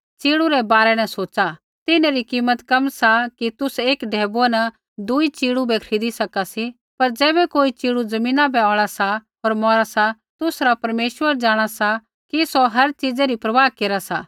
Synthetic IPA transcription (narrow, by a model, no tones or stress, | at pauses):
t͡ʃiːɽuɾɛbaːɾɛnɛ̃soːt͡ʃa | t̪ɪneɾikiːmːət̪kɐmsakit̪ʊseːkɖʱɛːbona | d̪ʊit͡ʃiːɽubɛkʰɾiːd̪isɐkasi | pɐɾd͡zɛːbɛkoːit͡ʃiːɽud͡zɐmĩːnãbɛɔːɭasaɦoːɾmɔːɾasa | t̪ʊsɾapɐɾmeːʃʋəɾd͡ʒaːɽ̃asa | kisoɦɐɾt͡ʃid͡zeɾipɾɐʋaːɦkeːɾasaː